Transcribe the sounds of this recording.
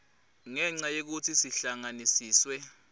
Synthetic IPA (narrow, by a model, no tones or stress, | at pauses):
ŋɛŋ͡ǀajek̬utʰisiɬaŋanisiːswɛ